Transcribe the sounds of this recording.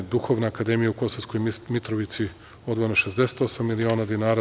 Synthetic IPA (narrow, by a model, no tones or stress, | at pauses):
d̪uxo̞ʋnaːkad̪e̞mijauko̞sosko̞jmit̪ɾoʋit̪si | o̞d̪ʋojenoʃe̞zd̪e̞se̥t̪o̞samːilio̞ːnad̪inaːɾa